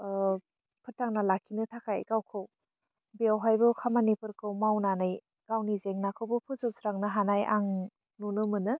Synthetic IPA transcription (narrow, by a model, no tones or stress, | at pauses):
pʰɯtaŋnalakʰːinɯtʰakʰajɡawkʰɯw | bawɦajbɯkʰamanipɯɾkʰɯwmawnanaj | ɡ̥awnizeŋnakʰɯwbɯpʰɯzɯp̚sɾaŋnɯɦanajʔaŋ | nunɯmɯnɯ